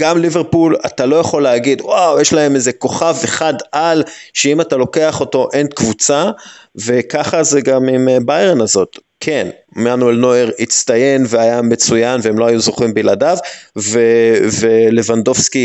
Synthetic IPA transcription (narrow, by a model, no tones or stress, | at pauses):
ɡ̥amliveʁpula̰talo̞jaχo̞leaɡid̪wawjeʃlae̞mezeko̞χaveχadʔalʃeimatalo̞ke̞aχo̞to̞ʔenkvut͡save̞kaχazeɡamimbajʁenazo̞t̪ | kʰen | manuelno̞eʁit͡st̪aje̞nveajamet͡sujanveemlo̞ajuzoχimbiladavvevele̞vando̞vski